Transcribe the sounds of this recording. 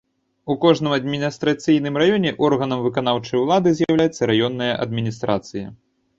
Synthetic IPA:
ukɔʐnɨmɐd̪mʲinʲist̪ɾat̪sʲɨjnɨmrajɔnʲɛʔɔrɣɐnɐmvɨkan̪awt͡ʂɐjulˠad̪ɨzʲjawlʲajɛt̪sːɐɾajɔnːɐjɐʔɐ̰d̪̚mʲinʲist̪ɾat̪sɨjɐ̰

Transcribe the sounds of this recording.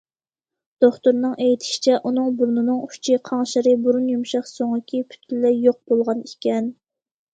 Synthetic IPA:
d̪̥oχt̪uɾnɨŋʔejit̪ʰɪ̥ʃi̥t͡ʃʰɛʔunɨŋbuɾnɨnɨŋut͡ʃʰiqʰɑŋʃɪɾɨbuɾunjumʃɑχsoŋəkʲʰipʰy̥t̪̚kʰʲilːɛjoq̚bolˠʁɑnikʲɛn

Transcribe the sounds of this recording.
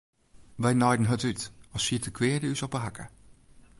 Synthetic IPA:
ʋɛjnɔjdən̩ɦətytɔsfiətəkʰʋɪədəysɔpəɦakʰə̰

